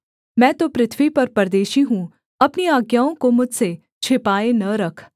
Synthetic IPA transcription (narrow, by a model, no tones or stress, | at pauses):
mɛ̃ːt̪opɾɪt̪ʰʋwipɐɾpɐɾd̪eːʃiɦũː | ɐpniaːɡjaːõkomʊd͡ʒʱse | t͡ʃʰɪpaːenɐɾɐkʰ